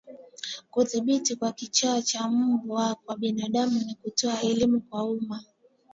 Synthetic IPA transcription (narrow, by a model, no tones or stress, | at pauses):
kuθiɓitikwakit͡ʃaat͡ʃam̩buwakwaɓinaɗamunikutɔaɛlimukwauma